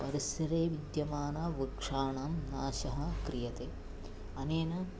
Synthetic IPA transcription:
pɐɾɐsɐɾeːʋid̪jɐmaːnaːʋikʂaːɳaːmnaːʃɐɦɐ̆kɾijɐt̪eː | ɐneːnɐ

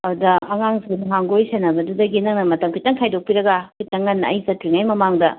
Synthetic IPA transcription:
ɐɾudɐɐŋaŋzunɦaŋɡojsenɐbɐdudɐɡinɐŋnɐmɐtɐmkʰitːɐŋkʰajdok̚piɾɐɡakʰitɐŋːɐnːɐɐjzɐtɾiŋajmɐmaŋdɐ

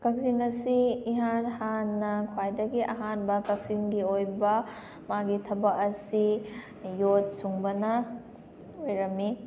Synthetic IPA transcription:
kɐk̚ziŋɐsiːɦanhanːɐkʰwajdɐɡiʔɐɦanbɐkɐk̚zinɡiojbɐ | maɡitʰɐbɐkɐsi | jot̚suŋbɐnɐ | ojɾɐmːi

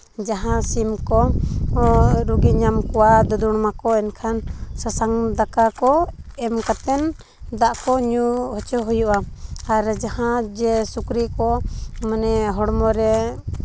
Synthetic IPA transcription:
d͡ʒaɦãsimkɔ | ɾuɡiɲamkɔwad̪ɔd̪uɽmakɔɛnkʰansasaŋd̪akakɔɛmkat̪ɛn | d̪aʔkɔɲuɦɔt͡ʃɔɦujuʔaaɾd͡ʒahãd͡ʒɛsukɾikɔmanɛɦɔɽmɔɾɛ

